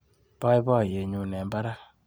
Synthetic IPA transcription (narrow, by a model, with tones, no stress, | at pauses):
pa˦i˦bɔ˦˨je˨ɲu˨nɛ˨mba˦ɾa˦